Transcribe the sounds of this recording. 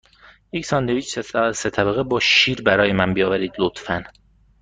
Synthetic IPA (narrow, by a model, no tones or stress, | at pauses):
iksɒnd̪eviːt͡ʃset̪ʰæbæɣebɒːʃiːɾbæɾɒːjemænbijɒːvæɾiːd̪lot̪fæn